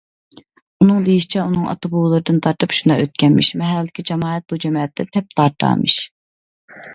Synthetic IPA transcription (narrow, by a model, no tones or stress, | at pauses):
unɨŋd̪ejiʃi̥t͡ʃʰɛunɨŋɑ̰t̪ʰɑbuːlˠɨɾɨd̪ɨnt̪ʰɑɾt̪ʰɨpʃund̪ɑøt̪̚kʲʰɛnmɪ̰ʃmɛɦæld̪ɪkʲʰid͡ʒɑmɑːɛt̪̚lˠud͡ʒɛmɑːɛt̪ʰd̪ɛt̪ʰɛp̚t̪ʰɑɾt̪ʰːɑ̰ːmɨ̰ʃ